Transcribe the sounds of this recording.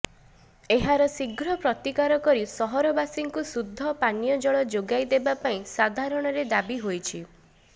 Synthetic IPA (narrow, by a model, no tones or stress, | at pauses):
eɦaɾɔsiɡɾɔpɾɔt̪ikaɾɔkɔɾisɔɦɔɾɔbasiŋkusud̪ʱːɔpanjɔd͡ʒɔɭɔd͡ʒoɡajd̪ebapaĩsad̪ʱaɾɔɽ̃ɔɾed̪abiɦojt͡ʃʰi